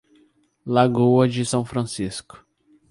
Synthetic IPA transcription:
laɡuɐd͡ʒɪsɐ̃w̃fɾɐ̃siskʊ̥

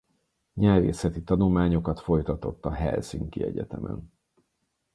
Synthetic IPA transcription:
ɲɛrvḛːsɛt̪it̪ɒnulmaːɲo̞kɒt̪fo̞jt̪ɒt̪o̞t̪ːɒɦɛ̰lsiŋkiɛɟɛt̪ɛmʔɛ̰n

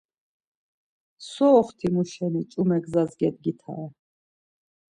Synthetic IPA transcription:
sɔːχt̪ʰimuʃɛnit͡ʃʼumɛɡzazɡɛd̪̚ɡit̪ʰa̰ɛ

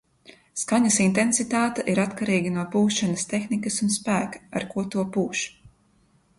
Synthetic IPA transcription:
skaɲɐsint̪ensit̪aːt̪ɛʔiɾat̪kaɾiːɡɐnuɔpuːʃʃanɐst̪exnikɐsunspæːkɐ̥a̰ɾkuɔt̪uɔpuːʃ

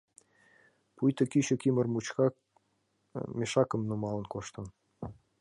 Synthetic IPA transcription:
pujt̪ə̆kit͡ɕokimərmut͡ɕkɑ | meʃɑkə̆mnumɑlə̆nkoʃt̪ə̆n

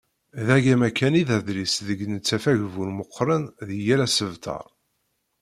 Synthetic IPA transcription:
ðæʝæmækːæniðæðɾisðəɡnət͡sːæfæʝvulməqʰːɾˤənðəjælæsəvt̪ʰɑ̰ɾˤ

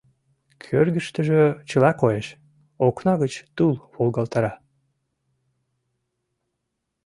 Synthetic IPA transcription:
kʰørɣəʃt̪əʒet͡ɕəlɑkojeʃ | oknɑɣət͡ɕt̪ulβolˠɣɑlt̪ɑɾɑ

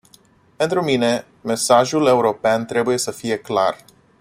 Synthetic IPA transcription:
pe̞nt̪ɾumine̞ | me̞saʒule̞uɾo̞peant̪ɾe̞buje̞səfije̞kla̰r

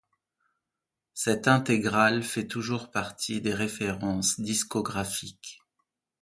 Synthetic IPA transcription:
sɛt̪ɛ̃t̪eɡʁalfɛt̪uʒuʁpaʁt̪ʰid̪eʁefeʁɑ̃sd̪iskɔɡʁafik

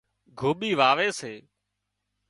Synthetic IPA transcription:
ɡʱoːɓiːʋaːʋeːseː

